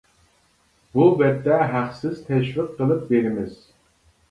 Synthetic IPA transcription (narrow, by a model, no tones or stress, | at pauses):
b̥uvɛd̪ːɛɦæqsɪz̥t̪ʰɛʃviqʰːəlˠɨp̚beɾɪmɪz̥